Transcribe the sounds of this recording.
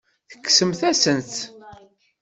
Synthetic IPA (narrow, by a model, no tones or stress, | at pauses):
θə̥kːsəmθæsənt̪